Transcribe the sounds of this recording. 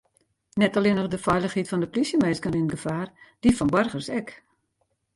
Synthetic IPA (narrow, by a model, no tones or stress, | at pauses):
nɛtɔlinɔxdəfɛjlˠəxhitfɔndəplisjəmeːskəninəɡəfaːrd̥ifɔnbɔrɣərsɛk